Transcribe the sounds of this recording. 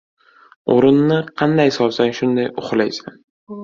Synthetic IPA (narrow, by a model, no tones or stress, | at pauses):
o̰ɾɪnːɪqʰɑnd̪ajsɒlsanʃʊnd̪ajʊχlajsan